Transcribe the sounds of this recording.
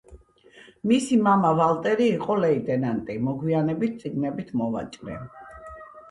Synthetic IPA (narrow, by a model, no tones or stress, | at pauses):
misimamavalˠt̪ʼɛɾiːqʼɔlɛid̪ɛnant̪ʼimɔɡwianɛbit̪̚t̪sʼiɡnɛbit̪ʰmɔva̰t͡ʃʼɾɛ̰